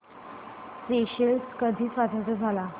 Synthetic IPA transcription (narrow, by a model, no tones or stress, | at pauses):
speɕəlskəd̪ʱiːsʋad̪ʱat͡səd͡zʱala